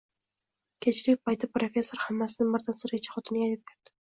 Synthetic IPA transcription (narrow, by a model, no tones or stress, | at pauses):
kʲʰet͡ʃɾɪk̚ʲpʰajt̪ɪpɾo̞fʲe̞sːo̞ɾhamːasɪnɪŋbɪɾt̪ʰansɪɾɡʲt͡ʃʰḁχɒt̪ʰɪnɪajt̪ɪb̚beɾd̪̥ɪ